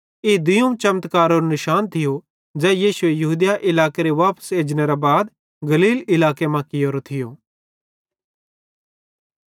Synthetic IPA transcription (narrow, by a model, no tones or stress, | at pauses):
eːd̪ʊjumt͡ʃɐmət̪kaːɾoːɾonɪʃaːnt̪ʰɪjo | d͡ʒɛːjiːsʊejɐɦuːd̪jaʔɪlaːkeɾeʋaːpə̥seːd͡ʒneɾabaːd̪ | ɡɐliːlɪlaːkemãkɪjoːɾot̪ʰɪjoː